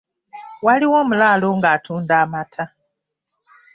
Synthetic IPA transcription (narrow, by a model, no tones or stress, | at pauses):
waliwo̞ːmulaːlo̞ŋɡaːtʰuːndaːmatʰa